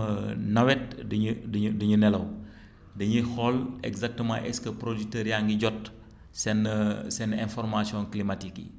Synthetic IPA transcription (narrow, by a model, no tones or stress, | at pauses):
nɐwɛt̚dɲddəɲunɛlɐw | dɐɲixɔlɛ̰ɡzak̚təmã̰ʔɛskəpɾoditəɾjaŋɡiɟɔt | sɛnsɛnɛ̃nfɔrmasiɔ̃nklimatikːḭ